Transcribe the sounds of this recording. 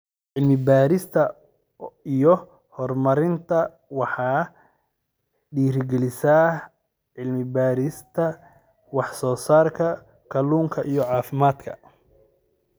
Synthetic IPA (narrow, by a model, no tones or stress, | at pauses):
ʕɪlmɪbaːɾɪst̪ʰɐ | ijɔ | hɔrmɐɾɪnt̪ʰɐ | wɑħɑː | ɖiːɾɡɛlɪsaː | ʕɪlmɪbaːɾɪst̪ʰɐ | wɑħsɔːsaːrkʰɐ | kʰɐluːŋkʰɐʔijɔʕɑːfɪmaːd̪kʰɐ̰